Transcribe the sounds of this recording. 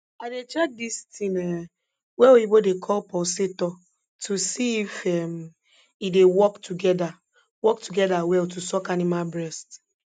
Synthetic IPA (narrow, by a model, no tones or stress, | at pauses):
adet͡ʃadistinɛ | weoibodekʰɔpɔsɪtɔ | tusiifem̩ | idewɔktuɡɛda | wɔktuɡɛdawɛltusɔkanimabɾɛst